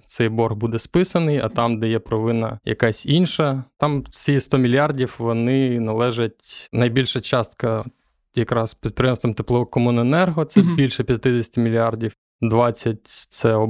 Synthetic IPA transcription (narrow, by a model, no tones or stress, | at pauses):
t̪sɛjbɔrɣbud̪ɛspɪsɐnɪjɐ̰t̪ɑmd̪ɛjɛpɾɔʋɪnɐ̰jɐ̰kɑsʲinʃɐt̪ɑmsʲist̪ɔmʲilʲjɑrdʲiwʋɔnɪnɐlˠɛʒɐtʲnɐjbʲilʲʃɐt͡ʃɑst̪kɐ | jɐkɾɑspʲit̪̚pɾʲɪjɛmst̪ʋɐmt̪eplˠɔɔkɔmunenɛrɦɔt̪sɛbʲilʲʃɛpʲjɐt̪ɪd̪ʲesʲtʲɪmʲilʲiɑrdʲiw | d̪ʋɑt͡sʲːɐt̚ʲt̪sɛɔ